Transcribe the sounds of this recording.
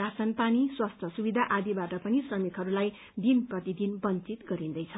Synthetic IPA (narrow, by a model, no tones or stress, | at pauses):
asʌnpaniswast̪ʰʌsubid̪ʱaʔad̪ibaʈʌpʌnisrʌmikɦʌɾulaj | d̪inprʌt̪id̪inbʌnt͡sit̪ɡʌɾind̪ʌjt͡sʰʌ